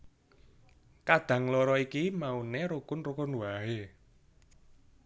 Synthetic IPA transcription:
kad̪̥ä̤ŋlɔɾɔikimauneɾukʊnrukʊnwaɦe

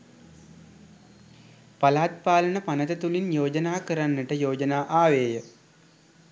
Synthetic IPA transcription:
palaːt̪̚paːlənəpanət̪ət̪ulinjoːd͡ʒənaːkəɾanːəʈəjoːd͡ʒənaːʔaːʋeːjə

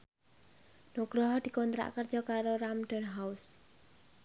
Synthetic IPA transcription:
noɡ̥ɾɔɦɔd̪̥i̤kɔnt̪ɾa̰ʔkərd͡ʒ̥ɔ̤kaɾoɾamɖ̪ɔnɦaus

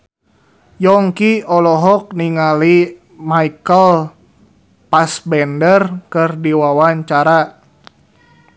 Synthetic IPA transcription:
jɔŋkiɔlɔɦɔk̚niŋali | maikəl | pasbɛndərkɨrdiwawaɲt͡ʃaɾa

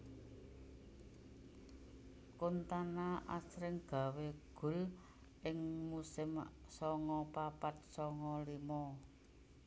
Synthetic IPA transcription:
kont̪anaʔa̰sɾɪŋɡ̥a̤weɡ̥ʊ̤l | ʔɪŋmusɪmsɔŋɔpapat̪̚sɔŋɔlimɔ

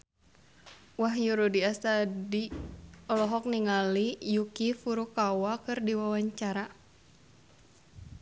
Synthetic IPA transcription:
waɦjuɾudiast̪adiɔlɔɦɔk̚niŋalijukifuɾukawakɨrdiwawaɲt͡ʃaɾa

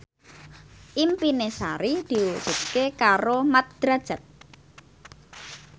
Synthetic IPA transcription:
ʔimpinesaɾid̪̥i̤wud̥ʒ̥ṳt̪̚kekaɾomat̪̚d̪̥ɾad̥ʒ̥a̤t̪̚

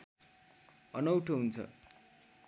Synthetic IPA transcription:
ʌnʌwʈʰoɦunt͡sʰʌ̰

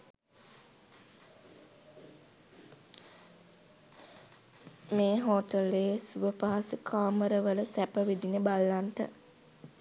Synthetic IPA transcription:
meːɦoʈəleːsuʋəpaːasəkʰaːməɾəʋələsæpəʋid̪inəbalːaɳʈə̰

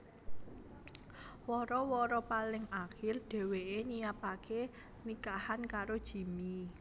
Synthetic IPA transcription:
wɔɾɔwɔɾɔpalɪŋaxɪrɖ̥ɛ̤weeniapake | nikahankaɾod̥ʒ̥i̤mi

